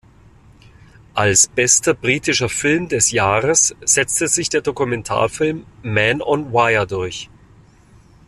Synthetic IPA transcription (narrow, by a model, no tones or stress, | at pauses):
ʔalsb̥ɛstɐbʁiːtɪʃɐfɪlmdɛsjaːʁəsz̥ɛt͡stəzɪçd̥eːɐdokumɛntʰa̰ːɐfɪlmːɛnɔnwaɪɐdʊɐç